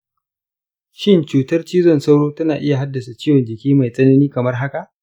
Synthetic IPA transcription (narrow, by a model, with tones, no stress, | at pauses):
ʃɪ˦nt͡ʃuː˨tɐ˦rt͡ʃiː˦zɔ˦˨nsɐ˦wɽoː˦tɐ˦naː˨ʔɪ˦ja˨ɦa˦dːɐ˨sa˨t͡ʃiː˦jɔ˨nd͡ʒɪ˨kʲiː˦ma˨jsʼɐ˦nɐ˦niː˦kɐ˨mɐ˦rɦa˦ka˨ʔ